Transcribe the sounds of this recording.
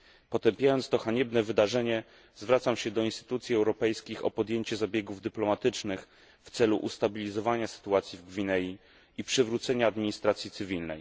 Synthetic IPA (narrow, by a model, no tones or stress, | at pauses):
pɔt̪ɛmpʲjajɔnt̪st̪ɔxaɲɛbnɛvɘd̪aʐɛɲɛ | zvɾat̪samɕɛd̪ɔinst̪ɘ̥t̪ut̪sʲjiɛwɾɔpɛjskʲixɔ̰pɔd̪jeɲt͡ɕɛzabʲjeɡuvd̪ɘplɔmat̪ɘt͡ʂnɘx | ft̪sɛluʔust̪abʲilʲizɔvaɲasɘ̥t̪uat̪sʲivɡvʲinɛji | ipʂɘvɾut̪sɛɲaːd̪mʲiɲist̪ɾat̪sʲjit̪sɘvʲilnɛ̰j